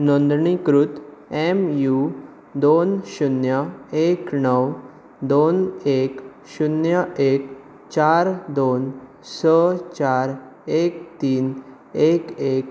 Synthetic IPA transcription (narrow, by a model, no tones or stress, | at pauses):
nõnd̪ɳikɾut̪emju | d̪onɕunjəeknəw | d̪onek | ɕunjəek | t͡ɕaɾd̪on | sət͡ɕaɾ | ek̚t̪iːn | ekek